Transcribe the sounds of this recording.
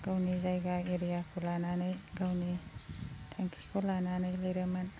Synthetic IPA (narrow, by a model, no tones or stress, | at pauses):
ɡ̥awnizajɡaeɾijakʰulananajɡawni | tʰaŋkʰikʰolananajlajɾeman